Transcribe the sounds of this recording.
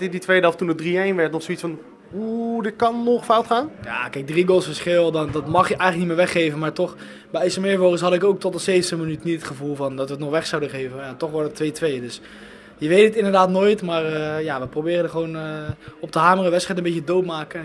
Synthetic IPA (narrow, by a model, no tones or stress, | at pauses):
tɪditʋejdəɔftunədriejnʋɛɹtnɔχsoitsfɑn | udɪt̚kɑnːɔχfawtχaːnja̰ːkɛjk̚driɡolˠsfəɹsχɪlˠdndɑtmɑχjəʔɛjxχləknitmɪːɹʋɛχːejvənmaːɹtɔχ | bɛjɛsəmɪɹvoːəsɦɑdəɪkowk̚tɔtdəsejvətəmənytnitətχəvulˠvɑndɑtʋətnɔχʋɛχsawdəχejvənatɔχʋɛlˠdətʋejtʋejədɵs | jəʋejtətɪndəɹdaːtnoːjtmaːrəjaʋəprobɪːrədəχʋonəɔp̚təɦaːmərəʋɛtsχɛjtəmbecjədowtmaːkə